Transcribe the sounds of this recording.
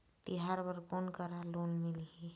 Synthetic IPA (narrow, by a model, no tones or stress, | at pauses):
t̪iɦaɾbəɾkoːnkəɾaloːnmɪlɦi